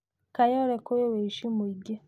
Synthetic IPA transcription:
kajɔɾɛkojeweiʃimuiɡe

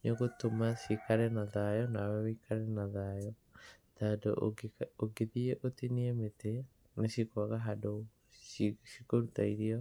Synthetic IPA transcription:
ɲeɣotomaʃikaɾɛnaðajɔnawɛwikʰaɾɛnaðajɔ | tado̰oɡiðieʔotiniemete | neʃikwaɣaɦado | ʃikoɾutaiɾiɔ

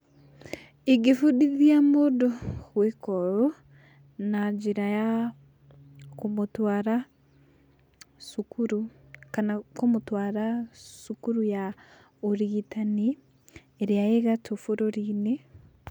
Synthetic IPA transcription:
iɡefudiðiamodoɣwekɔɾo | nad͡ʒiɾaja | komotwaːɾa | sukuɾukanakomotwaɾasukuɾuja | oɾiɣitani | eɾeaeɣatʰofoɾoɾine

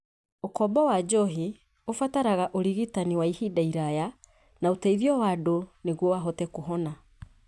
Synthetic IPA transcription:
okɔbɔwad͡ʒɔɦi | ofataɾaɣaʔoɾiɣitaniwaihidaiɾaja | naotaiðjɔwadoneɣwɔwaɦɔtɛkoɦɔna

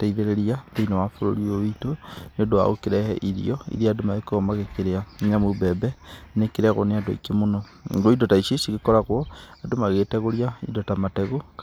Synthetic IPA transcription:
taiðeɾeɾiabeinowafoɾo̰ɾiowitoneodowa̰okeɾɛhɛ̰ʔiɾḭjɔḭɾiaːdomaekoɔmaɣekeɾeaɲamobɛbɛnekeɾeaɣo̰neado̰ḭkemonɔ̰ | ŋɡoidotaiʃisiɣekɔɾaɣwɔadomaɣetɛɣoɾiaḭdotamatɛɣo

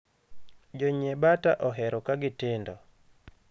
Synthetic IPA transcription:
d͡ʒɔɲebataʔɔɦɛɾokaɡɪtɪndo

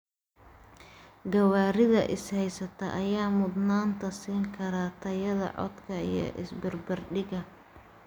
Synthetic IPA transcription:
ɡɐwaːɾɪðɐʔɪshɛjsɐt̪ʰɐʔɐjaːmʊd̪naːnt̪ʰɐsiːŋkʰɐɾɐt̪ʰɐjɐðɐ̰ʕɔ̰d̪kʰɐḭjɞ̰ʔɪsbɐrbɐrɖɪɣɐ

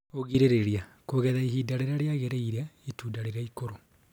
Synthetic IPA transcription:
oɣiɾeɾeɾia | koɣɛðaiɦiːdaɾeɾaɾeaɣeɾeiɾeaituːdaɾeɾaikoɾo

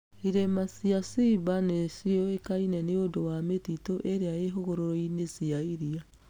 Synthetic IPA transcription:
iɾemasiasibanesiɔekainɛneodowametitoʔeɾeaeɦoɣoɾoɾɔinesiaiɾia

